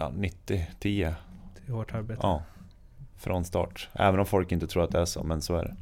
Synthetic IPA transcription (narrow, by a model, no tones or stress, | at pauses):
ɑ̰nɪt̪ːɪt̪ʰiːəɪhoːʈaɾbeːɑː | fɾʔɔnst̪ɑ̰ːʈʔɛ̰ːvənɔmfɔlkɪnt̪ət̪ʰɾuːɾat̪̚d̪ɛæʂɔ̰mɛnsɔæ̰ɖɛ̰